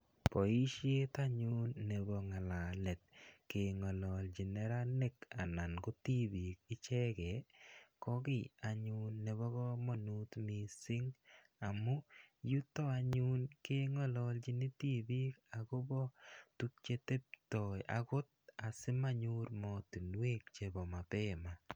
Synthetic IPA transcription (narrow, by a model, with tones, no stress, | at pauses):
pɔ˨i˦ʃe˦t̪aɲu˦nːe˨bɔ˨ŋa˨la˨lɛ˨t̚ke˨ŋɔ˨lɔ˨ld͡ʒi˨nɛ˦ɾa˦ne˦ka˨na˨nɡo˦ti˦bi˨kɪ˦t͡ʃɛ˦kɛ˨kɔ˦kɪ˦˨a˨ɲunːe˨βɔ˦ɣɔ˦mɔ˨nu˦t̪mi˨sɪ˦ŋ | a˨mu˦ju˦tɔ˦a˧ɲu˦nke˦ŋɔ˦lɔlt͡ʃi˦ni˦ti˦bi˦ka˨ko˦bɔ˦tu˦k̚t͡ʃe˦te˦p̚tɔ˨jʔa̰˨kʊ˦t̚a˨sɪ˦ma˦ɲu˦ɾmɔ˨tu˨nwe˦k̚t͡ʃe˨bɔ˨ma˨pɛ˦ma˨